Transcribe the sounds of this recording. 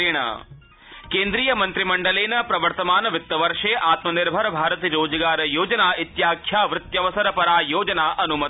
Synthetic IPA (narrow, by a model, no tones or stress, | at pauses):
iɳ̃ɐ̰ | keːnd̪ɾiːjɐmɐnt̪ɾimɐɳɖɐleːnɐpɾɐʋɐɾt̪ɐmaːnɐʋɪt̪ːɐʋɐɾʂeːʔaːt̪mɐnɪɾbʱɐɾbʱaːɾɐt̪iɾoːd͡ʒɐɡaːɾɐjoːd͡ʒɐnaːit̪jaːkʰjaːʋɾɪt̪jɐʋɐsɐɾɐpɐɾaːjoːd͡ʒɐnaːʔɐnumɐ